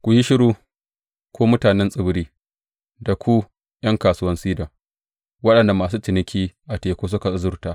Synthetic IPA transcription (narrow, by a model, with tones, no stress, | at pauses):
kʷʊ˨ji˦ʃɪ˦ɽuː˦ | kʷoː˦mʊ˦taː˨nɛ˦nsʼɪ˦˨bɾiː˦ | da˨kʷu˦ | jʔɐ˦ŋkaː˨sʊ˦wɐ˦nsiː˦da˨ | wɐ˦ɗɐ˨nda˨maː˨s̬uː˦tɪ˨nɪ˦kʲʰiː˦ʔa˨teː˨kʷoː˦s̬ʊ˦ka˨˦zʊ˦rtaː˦